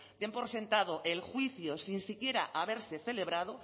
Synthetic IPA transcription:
d̪empoɾsẽ̞nt̪aðoʔelxwiθjosinsikje̞ɾa̰ʔaβe̞ɾseθe̞le̞βɾað̞o

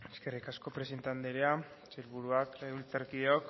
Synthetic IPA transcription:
eskerikasko̞pɾesent̪and̪eɾea | t͡ʃelβuɾuakult͡saɾkieok

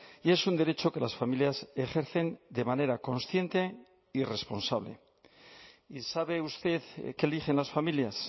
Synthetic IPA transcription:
ie̞sund̪e̞ɾe̞t͡ʃo̞ke̞lasfamiljase̞xe̞ɾθe̞nd̪e̞mane̞ɾako̞nsθje̞nt̪e̞ | ire̞spo̞nsaβ̞le̞̰ | isaβe̞ust̪e̞ðkeːlixe̞nlasfamiljas

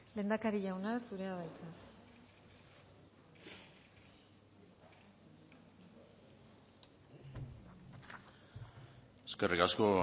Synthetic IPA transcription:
le̞ːnd̪akaɾiʝawnasuɾe̞aβajt͡sa | eske̞rikasko̞

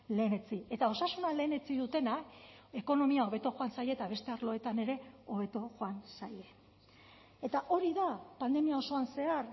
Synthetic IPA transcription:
le̞ːne̞t͡sie̞t̪ao̞sasunale̞ːne̞t͡siðut̪e̞nake̞ko̞no̞miao̞β̞e̞t̪o̞xo̞ansaʎe̞t̪aβ̞e̞st̪e̞aɾlo̞e̞t̪ane̞ɾe̞o̞βe̞t̪o̞ʝoansaje̞ | e̞t̪aʔo̞ɾiðapand̪e̞miao̞so̞anse̞ar

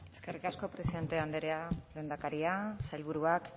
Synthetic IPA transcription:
e̞skerikasko̞pɾe̞siðe̞nt̪e̞and̪eɾead̪end̪akaɾiasajlβ̞uɾuak

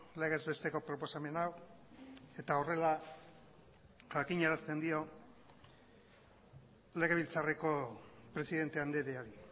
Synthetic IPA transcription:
le̞ɣ̞ezβe̞st̪e̞ko̞pɾo̞po̞same̞naw | e̞t̪ao̞re̞la | xakiɲaɾast̪e̞nd̪io̞ | le̞ɣe̞β̞ilt͡sareko̞pɾe̞siðe̞nt̪e̞and̪eɾeaɾi

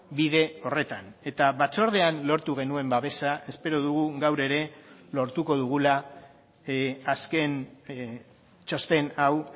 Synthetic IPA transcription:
biðe̞o̞re̞t̪ane̞t̪aβat͡so̞ɾð̞e̞anlo̞ɾt̪uɣ̞e̞nue̞mbaβe̞sae̞spe̞ɾoðuɣ̞uɣawɾe̞ɾe̞lo̞ɾt̪uko̞ðuɣ̞ula | aske̞n | t͡ʃo̞st̪e̞naw

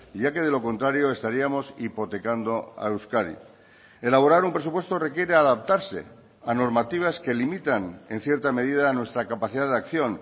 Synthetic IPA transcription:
ʝake̞ð̞e̞lo̞ko̞nt̪ɾaɾjo̞e̞st̪aɾiamo̞sipo̞t̪e̞kand̪o̞a̰ewskaðḭ | elaβo̞ɾaɾumpɾe̞s̬upwest̪o̞re̞kje̞ɾeaðap̚t̪aɾse̞̰ | ano̞ɾmat̪iβ̞aske̞limit̪ane̞n̟θje̞ɾt̪ame̞ðiðanwe̞st̪ɾakapaθiðaðakθjo̞n

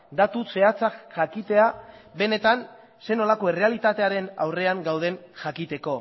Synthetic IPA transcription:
d̪at̪use̞at͡sakʝakit̪e̞abe̞ne̞t̪an | se̞no̞lako̞e̞re̞alit̪at̪e̞aɾe̞na̰wre̞aŋɡawð̞e̞nʝakit̪e̞ko̞

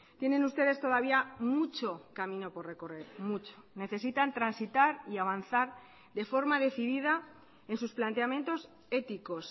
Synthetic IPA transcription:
t̪je̞nẽ̞nust̪e̞ðe̞st̪o̞ð̞aβ̞iammut͡ʃo̞kamĩno̞po̞rre̞ko̞re̞ɾmut͡ʃo̥ne̞θe̞sit̪ant̪ɾansit̪aɾiaβ̞anθaɾ | ðe̞fo̞ɾmaðe̞θiðiða | e̞nsusplant̪eamjẽ̞nt̪o̞s | e̞t̪iko̞s

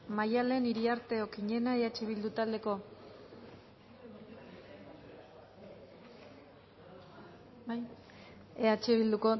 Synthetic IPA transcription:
majale̞niɾiaɾt̪e̞okiɲe̞naeat͡ʃeβild̪ut̪ald̪e̞ko̞ | eat͡ʃeβild̪uko̞

